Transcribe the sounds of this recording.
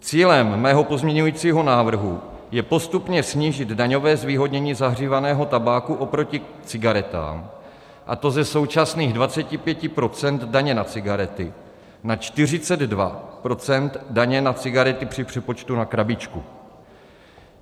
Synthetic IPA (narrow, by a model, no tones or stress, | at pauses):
t͡siːlɛmːɛːɦo̞po̞zmɲɛɲujiːt͡siːɦo̞naːvr̩ɦu | jɛpo̞st̪upɲɛsɲiːʒɪd̪daɲo̞vɛːzviːɦo̞dɲɛɲiːzaɦr̝iːvanɛːɦo̞t̪abaːkuʔo̞pɾo̞cɪ | t͡sɪɡaɾɛt̪a̰ːm | ʔa̰t̪o̞zɛso̞wt͡ʃasniːɣdvat͡sɛcɪpjɛcɪpɾo̞t͡sɛnt̪daɲɛnat͡sɪɡaɾɛt̪ɪ | nat͡ʃt̪ɪr̝ɪt͡sɛd̪dva̰pɾo̞t͡sɛnt̪daɲɛnat͡sɪɡaɾɛt̪ɪpr̝̥ɪpr̝̥ɛpo̞t͡ʃt̪unakɾabɪt͡ʃkṵ